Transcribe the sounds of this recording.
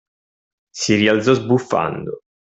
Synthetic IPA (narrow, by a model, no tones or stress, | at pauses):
siriald̪zɔzbufːa̰nd̪o